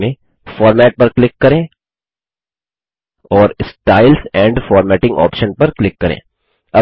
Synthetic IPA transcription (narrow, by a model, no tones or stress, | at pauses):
mẽ | fɔːɾmɛːʈ̚pɐɾklɪkːɐɾẽː | ɔːɾɪsʈaːɪlsɛ̃ːɳɖfɔːɾmɛːʈɪ̃ŋɡɔ̰ːpʃənpɐɾklɪkːɐɾḛ̃ː | ɐ